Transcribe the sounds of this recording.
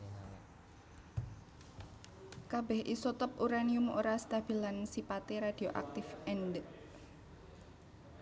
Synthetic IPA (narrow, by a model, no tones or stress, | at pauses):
kabɛhʔisɔt̪ɔp̚uɾaniʊmo̰ɾast̪ab̥ilansipat̪eɾad̥i̤oʔa̰k̚t̪ɪfɛndəʔ